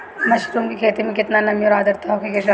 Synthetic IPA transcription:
mɐʃi̥t̪umkikʰeːt̪imẽkɪt̪nanɐmjoɾaːd̪ɐɾt̪aɦokikeʃa

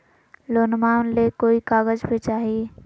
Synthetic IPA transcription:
lonmanlekoːikaːɡəd͡ʒpet͡ʃaːɦi

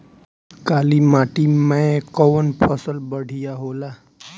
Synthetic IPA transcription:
kalimaʈimaekɔʋənpʰəsəlbəɽ̤ʱijaɦola

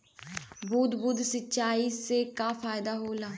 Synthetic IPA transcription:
bʱuːd̪buːd̪sətːʃaːiːseːkaːfʰaːjɪd̪aːɦoːlaː

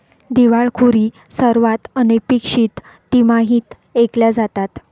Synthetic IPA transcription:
d̪iʋaɭkʰuɾiː | səɾʋat̪ənepikʂiːt̪ː | imaɦiːt̪ | ekljad͡zat̪at̪

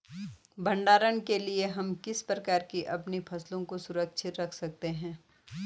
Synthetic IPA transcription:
bɐ̃ɳɖaːɾənkelieɦɐmkɪspɾɐkaːɾkiʔɐpnipʰɐslõkosʊɾəkʃʰɪt̪ɾɐkʰsɐk̚t̪eɦɛ̃ː

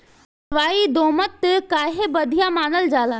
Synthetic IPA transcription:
ʋaːid̪oːmət̪kaːɦebəd̪ʱijamaːnəld͡ʒaːlaː

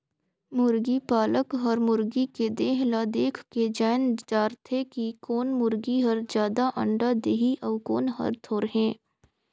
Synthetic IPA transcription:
mʊɾɡipaːləkɦɔɾmʊɾɡiked̪eːɦlaːd̪eːkʰked͡ʒɛːnd͡ʒaːɾt̪ʰekikoːnmʊɾɡiɦəɾd͡ʒjaːd̪aʔɐ̰̃ɳɖad̪eːɦiʔɔʋko̰ːnɦə̰ɾt̪ʰoːɾɦẽː

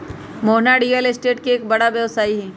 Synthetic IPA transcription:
moɦnaɽijəlɪsʈeːʈkieːk̚bɐɽabjɐʋsaːiɦɛ̃ː

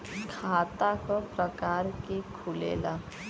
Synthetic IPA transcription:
kʰaːt̪akopɾəkaːɾkekʰʊlḛːlaː

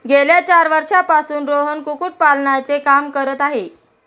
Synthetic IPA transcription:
ɡʱeljat͡ɕaɾʋəɾʂapasuːnɾoɦənkukuːʈ̚palɳat͡sekamkəɾət̪aɦe

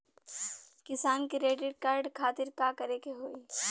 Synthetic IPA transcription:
kɪsaːnkiɾeːʈɪɖ̚kaːɾɖkʰaːt̪ɪɾkaːkɐɾeːkeɦoːiː

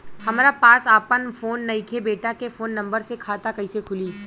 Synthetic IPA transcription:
hɐmːɾapaːsaːpənfoːnːɐikʰebeːʈakefoːnːɐ̃mbəɾsekʰaːt̪akɐisekʰʊliː

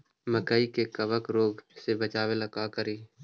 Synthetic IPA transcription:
məkəikekəbəkɾoːɡsebət͡ʃaːʋeləkakəɾiː

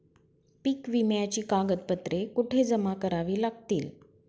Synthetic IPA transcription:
pikʋimjat͡ɕiːkaɡət̪̚pət̪ɾekuʈʰed͡zəmakəɾaʋiːlaɡ̚t̪iːl

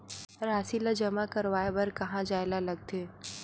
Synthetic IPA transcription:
ɾaːsilad͡ʒɐmakɐɾʋaːebɐɾkɐɦãd͡ʒaːɪlalɐɡ̚t̪ʰeː

